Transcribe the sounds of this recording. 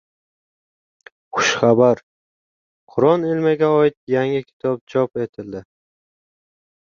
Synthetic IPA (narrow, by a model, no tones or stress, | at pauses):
χʊʃχabaɾ | qʰʊɾɒnelmaɡʲaɒɪt̪̚jaŋɪkʲʰɪ̥t̪ʰɒp̚d͡ʒɒpe̞t̪ʰɪld̪ɪ